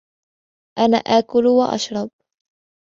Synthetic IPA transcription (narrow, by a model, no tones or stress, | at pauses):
ʔana̰ːʔaːkʊlwaʔɑ̰ʃɾˤɑb̚